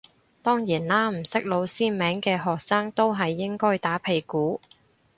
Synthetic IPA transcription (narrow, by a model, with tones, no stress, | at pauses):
t̪ɔː˥ŋjiː˨˩nlaː˥m̩˨˩sɪ˥k̚lo˨˧wsiː˥mɛː˨˥ŋkɛː˧ɦɔː˨k̚saː˥ŋt̪o˥wɦɐ˨jːɪ˥ŋkɔː˥jt̪aː˨˥pʰe˨˩jkuː˨˥